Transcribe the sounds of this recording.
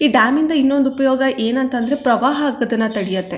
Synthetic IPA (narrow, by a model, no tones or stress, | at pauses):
iːɖaːmind̪ɐinːo̞nd̪upɐjɔːɡɐʔeːnɐnt̪ɐnd̪ɐɾepɾɐʋaːɦɐːɡɐd̪ɐnːɐt̪ɐɽijɐt̪ːe̞